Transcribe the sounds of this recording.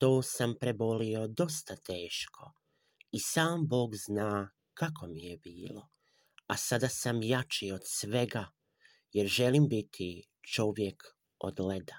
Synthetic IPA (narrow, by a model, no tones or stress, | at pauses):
t̪o̞ːsampɾe̞bo̞lio̞d̪o̞st̪at̪eːʃkʰo̞ | isaːmbo̞ːɡznaː | kako̞mijebiːlo̞ | asad̪asamjat͡ʃiod̪sʋe̞ɡa | jeɾʒe̞limbit̪ʰi | t͡ʃo̞ʋje̞k | o̰d̪led̪a